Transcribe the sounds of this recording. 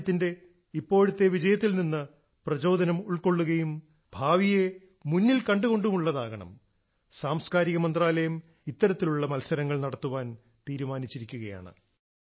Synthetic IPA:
t̪ːinde̞ | ipːo̞ːɻut̪ːe̞ʋid͡ʑɐjɐt̪ːilninːɨ | prɐd͡ʑo̞ːd̪ʱɐnɐmuɭko̞ɭːuɣɐjum | bʱaːʋije̞ | munːilkɐɳɖuɣo̞ɳɖumuɭːɐðaːɣɐɳɐ̰m | saːmskaːɾiɣɐmɐnd̪raːlɐjɐm | it̪ːɐɾɐt̪ːiluɭːɐmɐlsɐɾɐŋːɐɭnɐɽɐt̪ːuʋaːn | t̪iːɾumaːnit͡ɕːiɾikʲːuɣɐja̰ːɳɨ̰

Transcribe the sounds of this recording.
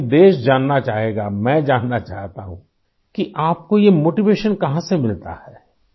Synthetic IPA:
d̪eːʃd͡ʒaːnːat͡ʃaːɦeːɡamɛ̃ːd͡ʒaːnːat͡ʃaːɦt̪a̰ɦṵ̃ | kiʔaːp̚kojemoːʈiʋeːʃənkɐɦãsemɪlt̪a̰hɛː

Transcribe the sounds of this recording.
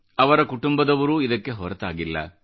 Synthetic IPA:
ɐʋɐɾɐkuʈumbɐd̪ɐʋɐɾuid̪ɐkːe̞ɦɔɾɐt̪a̰ːɡilːɐ̰

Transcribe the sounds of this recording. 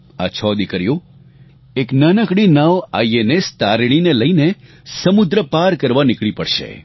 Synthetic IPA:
a̰t͡ʃʰɔd̪ikəɾjo | eknənəkɽinaʋa̰ienest̪aɾɽ̃ineləine | səmud̪ɾəpaɾkəɾʋanɪkɭipəɽʃḛ

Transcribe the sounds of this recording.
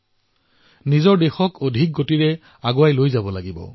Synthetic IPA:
nizɔɹdexɔkʰodʱik̚ɡotiɹɛ | aɡoajlojzabɔlaɡibɔ̰

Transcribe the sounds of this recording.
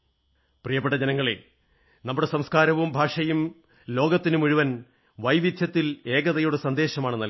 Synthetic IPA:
prijɐpːeʈːɐd͡ʑenɐŋːɐɭe | nɐmːuɽe̞sɐmskaːɾɐʋumbʱaːʂɐjum | lo̞ːɡɐt̪ːinumuɻuʋɐn | ʋɐjʋit̪ʰjɐt̪ːile̞ːɡɐðɐjuɽesɐnd̪e̞ːɕɐmaːɳɨnɐl

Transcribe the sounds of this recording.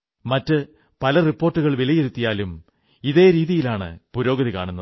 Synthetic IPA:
mɐtːɨ | pɐlɐripːo̞ːrʈːuɣɐɭʋilɐjeɾut̪ːijaːlum | iðe̞ːɾiːðijilaːɳɨ̰puɾo̞ːɡɐðika̰ːɳunːɐð

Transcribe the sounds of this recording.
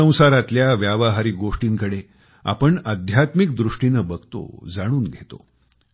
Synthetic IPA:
ə̃w̃saɾat̪ljaʋjaʋaɦaɾiːɡoʂʈiːŋkəɽe | a̰pəɳəd̪ʱjat̪mik̚d̪ɾuʂʈinəbəɡt̪o̰d͡zaɽ̃uːnɡʱet̪o̰

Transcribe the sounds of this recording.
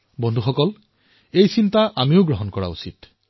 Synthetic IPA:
bɔndʱuxɔkɔl | ejsintaʔamiʊɡɹɔɦɔnkɔɹa̰ṵsit

